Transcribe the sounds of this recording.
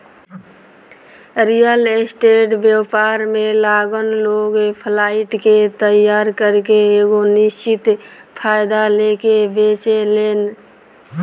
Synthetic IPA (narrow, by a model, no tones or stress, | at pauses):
ɾijəlesʈeʈbjepaɾmelaɡənloɡpʰlaiʈket̪əjaɾkəɾkeeɡonist͡ʃit̪pʰajd̪alekebet͡ʃelen